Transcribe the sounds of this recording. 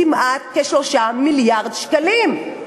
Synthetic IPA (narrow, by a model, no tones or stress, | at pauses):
imʔat̪̚keʃloʃamiljaʁd̪ʃkalim